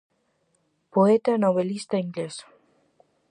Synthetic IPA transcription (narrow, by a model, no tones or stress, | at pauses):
poet̪anoβelist̪aiŋɡles